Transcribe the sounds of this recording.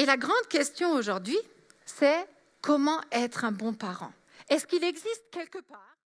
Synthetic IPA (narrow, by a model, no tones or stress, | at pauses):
elaɡʁɑ̃d̪kʲɛst̪jɔ̃oʒuʁd̪ɥi | sɛ | kʰɔmɑ̃ɛt̪χɛ̃bɔ̃paʁɑ̰̃ | ɛskilɛɡzist̪kʲɛlkəpaːʁ